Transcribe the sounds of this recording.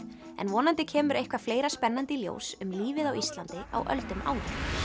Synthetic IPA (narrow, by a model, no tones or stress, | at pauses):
ɛ̰nvɔːnant̪ɪcʰɛːmʏɾʔejhkvafleːjɾaspɛnːant̪ɪljo̰wsʏmliːvɪðawist̪lant̪ɪa̰wʔœ̰lt̪ʏma̰ːwlɪ